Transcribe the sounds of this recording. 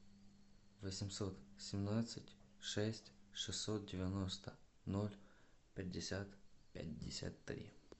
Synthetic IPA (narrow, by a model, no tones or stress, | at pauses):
vəsʲɪmsot̪sʲɪmnat̪sɨtʲʂɛsʲtʲʂɨsʲːot̪̚dʲɪvʲɪnost̪ə | nolʲ | pʲɪd̚ʲːɪsʲat̪pʲa̰t̚ʲdʲɪ̰sʲa̰t̪ːɾʲḭ